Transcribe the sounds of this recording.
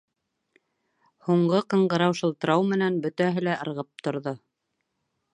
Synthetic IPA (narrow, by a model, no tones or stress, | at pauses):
huɴɢɤqɤ̆ɴɢɤ̆ɾɑwʃɤ̆lˠt̪ɤ̆ɾɑwmɘ̆nænbɵ̆t̪æɦɘlæʔɤ̆ɾʁɤp̚t̪ŏɾðo